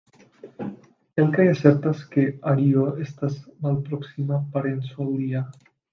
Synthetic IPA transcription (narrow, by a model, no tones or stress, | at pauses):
elkajasɛɾt̪aeskeaɾioest̪asmalpɾɔksimapaɾensalˠd̪ia